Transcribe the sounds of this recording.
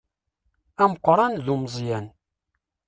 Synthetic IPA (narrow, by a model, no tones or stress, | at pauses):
æməqʷːɾˤɑnðumzˤjæn